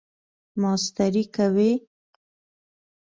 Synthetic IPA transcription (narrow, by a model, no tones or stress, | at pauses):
mɑst̪aɾikawe